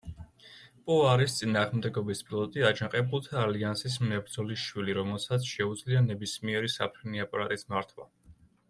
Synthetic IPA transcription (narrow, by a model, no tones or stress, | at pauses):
pʼɔaɾist̪sʼinaːʁmd̪ɛɡɔbispʼilˠɔt̪ʼiad͡ʒaqʼɛbulˠt̪ʰaːliansis̬mnɛbɾd̪zɔlisʃwiliɾɔmɛlˠsat̪sʰʃɛud̪zlianɛbismiɛɾisapʰɾiniapʼaɾat̪ʼismaɾt̪ʰwa̰